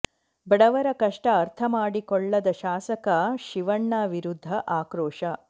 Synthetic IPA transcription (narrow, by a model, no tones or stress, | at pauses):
bɐɽɐʋɐɾɐkɐʂʈɐːɾt̪ʰɐmaːɽikɔɭːɐd̪ɐʃaːsɐkɐʃiʋɐɳːaːʋiɾud̪ʱːɐʔaːkɾoːʂɐ